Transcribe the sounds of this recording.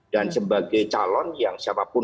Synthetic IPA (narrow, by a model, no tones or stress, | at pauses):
d̥ansəbaɡajt͡ʃalɔnjaŋsiapapʊ